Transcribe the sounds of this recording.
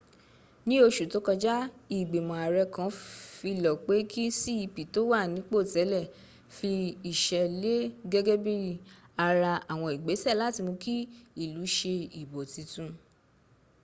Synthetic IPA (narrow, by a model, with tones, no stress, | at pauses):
nĩ˦o˧ʃu˨to˨˦kɔ˧d͡ʒa˦i˦˨ɡ͡be˨mɔ̃˨a˨ɾɛ˧kã˨˦fi˧lɔ˨k͡pe˨˦kʰi˦si˦i˧pi˨to˨˦wa˦˨nĩ˨˦k͡po˦˨tɛ˨˦lɛ˦˨ | fi˧i˨ʃɛ˧le˦ɡɛ˦ɡɛ˦bi˦ɾi˦˧ | a˧ɾa˧a˨w̃ɔ̃˧i˨ɡ͡be˨˦sɛ˦˨la˨˦ti˧mũ˧ki˦i˦˨lu˨˦ʃe˧i˨bo˨ti˧tũ˧